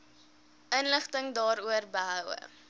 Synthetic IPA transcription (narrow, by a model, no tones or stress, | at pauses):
ʔənləχtəŋdɑːɾuərbəɦœwə̰